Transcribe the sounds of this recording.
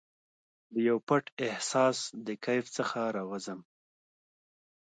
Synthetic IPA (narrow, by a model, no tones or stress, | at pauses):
d̪əjawpaʈɪhsɑsd̪əkajft͡səxaɾɑwazəm